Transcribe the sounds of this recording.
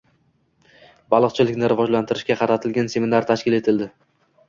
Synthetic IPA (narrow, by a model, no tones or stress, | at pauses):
bɑlˠɨqt͡ʃʰɪlɪkʲnɪɾɪvɒd͡ʒlant̪ʰɪɾɪʃkʲaqʰɑɾat̪ʰɪlɡʲanse̞minaɾt̪ʰaʃkʲɪle̞t̪ʰɪld̪ɪ